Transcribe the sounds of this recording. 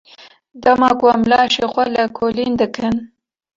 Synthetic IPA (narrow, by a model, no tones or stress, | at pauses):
d̪amɑkuwamlɑʃexwalakʰolind̪əkʰən